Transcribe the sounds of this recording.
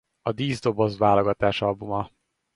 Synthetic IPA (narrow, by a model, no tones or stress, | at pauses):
ɒd̪iːzd̪o̞bo̞zʋaːloɡɒt̪aːʃɒlbumɒ